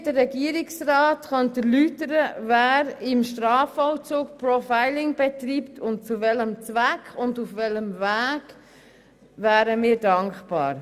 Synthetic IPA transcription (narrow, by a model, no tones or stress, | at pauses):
dəːɛɡiəɾɪksraːtχœntəlytəɾəvæːɾɪmʃtɾɑːfɔʊt͡suːkprɔfaɪlɪŋbɛtriːptʰʊnt̚t͡suvɛləmt͡svækχʊndufvɛləmvæːɡ̥ | væːɾəmiːɾdɑŋkχpɑ̰ːɾ